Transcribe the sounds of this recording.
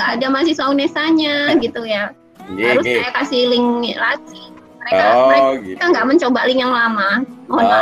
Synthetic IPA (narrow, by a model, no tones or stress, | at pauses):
ɡaʔːdamas̬isauŋnesaɲaɡit̪uja | aɾʊskajakasɪhlɪŋlati | məɾekamekaŋɡaʔməɲt͡ʃobalɪŋjaŋlamamoɦɔna